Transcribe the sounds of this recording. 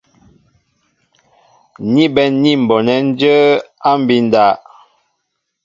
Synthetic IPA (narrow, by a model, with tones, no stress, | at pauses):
ni˦bɛ˦nni˦˨m̩˨bɔ˨nɛ˦n˦d͡ʒə˦a˦m˦bi˦n˦da˨˦˨ʔ